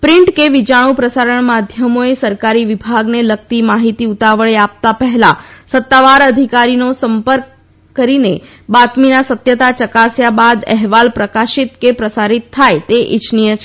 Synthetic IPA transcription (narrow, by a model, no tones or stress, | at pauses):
pɾɪɳʈkeʋit͡ʃaɽ̃ũpɾəsaɾəɳ̃mad̪ʱjəmoesəɾkaɾiʋibʱaɡnelək̚t̪imaɦit̪iut̪aʋəɭeap̚t̪apəɦɛlasət̪ːaʋaɾəd̪ʱikaɾinosəmpəɾkː | əɾine | bat̪minasət̪jət̪at͡ʃəkasjabad̪ɛɦʋalpɾəkaʃit̪kepɾəsaɾit̪ʰːajt̪eʔɪ̰t͡ʃnijət͡ʃʰ